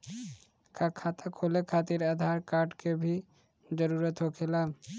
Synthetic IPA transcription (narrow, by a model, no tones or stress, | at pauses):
kʰakʰaːt̪akʰoːlekʰaːt̪iɾad̪ʱaːɾkaːɾʈkebʱi | d͡ʒəɾuːɾət̪ɦokʰelaːl